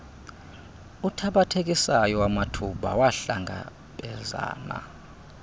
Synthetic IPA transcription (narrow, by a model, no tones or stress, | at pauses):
utʰaɓatʰek̬ʼisajɔwamatʰuɓa̰waɬaŋɡʱa̰ | ɓɛza̰ːna̰